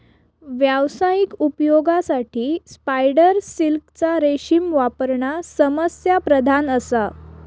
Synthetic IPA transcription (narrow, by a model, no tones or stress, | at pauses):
ʋjaʋsajikupjoɡasaʈʰiːspajɽəɾsilkt͡saɾeɕimʋapəɾɳasəməsjapɾəd̪ʱanəsa